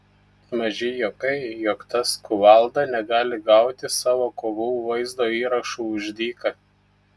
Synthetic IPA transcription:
mɐʒʲɪjoːkɐɪjoːkt̪ɐskʊʋɑˑlˠd̪ɑnʲɛɡɑːlʲɪɡɑˑʊt̪ʲɪsɑːʋoːkoːʋuːʋɐɪzd̪oːiːɾɐʃuːʊʒʲd̪ʲiːkɐ

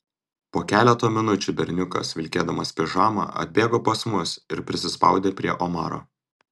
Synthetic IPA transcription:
poːkʲæːlʲɛt̪oːmʲɪnʊt͡ʃʲuːbʲɛɾʲnʲʊkɐ̰sʋʲɪlʲkʲeːd̪ɐmɐspʲɪʒɑːmɑ̰ːʔɐ̰d̪ʲbʲeːɡoːpɐsmʊsɪɾpʲɾʲɪsʲɪspɑ̰ʊd̪ʲeːpʲɾʲiɛʔomɑ̰ːɾo̰ː

